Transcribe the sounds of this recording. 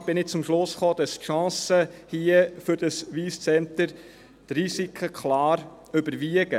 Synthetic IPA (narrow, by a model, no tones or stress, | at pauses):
b̥ɪnɪt͡sʊmʃlʊsχoːd̪̥ɑstʃɑ̃ːsəhiəfʏɾdəsʋiːst͡sɛnt̪əɾ | t̪risikʰəkχlɑːɾ | ʏbəɾʋiəɡ̥ə